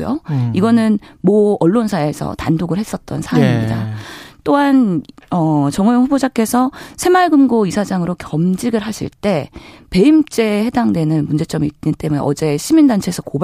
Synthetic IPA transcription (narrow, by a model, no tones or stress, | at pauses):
jo̰iɡʌnɯnmʌʌɭːonsʰae̞sʰʌ̰tandoɡɯɭhe̞s͈ʌt̚t͈ʌ̰nsʰamimɲɲida̰t͈oɦanʌt͡ɕʌŋʌjoŋɸubod͡ʑak͈e̞sʰʌsʰe̞maɭɡɯmɡoisʰad͡ʑaŋɯɾokʰjʌmd͡ʑiɡɯɭɦaɕ͈ʰḭɭt͈e̞pe̞imt͡ɕ͈e̞he̞daŋdwe̞nɯnmund͡ʑe̞t͡ɕ͈ʌmiint͈e̞mune̞̰ʔʌd͡ʑe̞ɕʰimindant͡ɕʰesʰʌkob